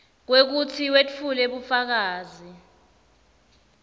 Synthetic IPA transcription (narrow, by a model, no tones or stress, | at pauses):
k̬wek̬utʰiwet͡fʰuleɓufak̬aːzi